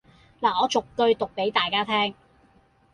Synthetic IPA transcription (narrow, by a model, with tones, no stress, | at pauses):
laː˨ɔː˨˧t͡sʊ˨kːɵ˧ɥt̪ʊ˨k̚pe˨˥jt̪aː˨jkaː˥t̪ʰɛː˥ŋ